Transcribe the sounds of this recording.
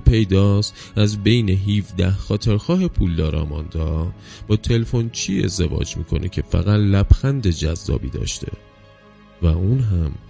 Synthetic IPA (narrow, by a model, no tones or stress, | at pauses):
pʰe̞jd̪ɒːs | æzbe̞jne̞ɦiːfd̪æhxɒːt̪ʰeɾxɒːɦe̞pʰuːld̪ɒːɾɒ̰ːmɒːnd̪ɒː | b̥ɒːt̪ʰe̞lefo̞nt͡ʃʰie̞̰zd̪e̞vɒ̰ːd͡ʒmḭːkʰo̞̰nʔecʰe̞fæ̰ɣæt̪læb̥xænd̪e̞d͡ʒæzːɒ̰ːbḭːd̪ɒ̰ːʃt̪ʰe̞̰ | væuːnɦæm